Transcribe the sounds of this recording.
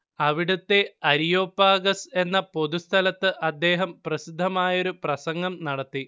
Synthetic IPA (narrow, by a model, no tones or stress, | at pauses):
ɐʋiɽut̪ːe̞ɐɾijo̞ːpːaːɡɐse̞nːɐpo̞d̪ust̪ʰɐlɐt̪ːɨʔɐd̪ːe̞ːɦɐmprɐsid̪ʱːɐmaːjo̞ɾuprɐsɐŋɡɐmnɐɽɐt̪ːi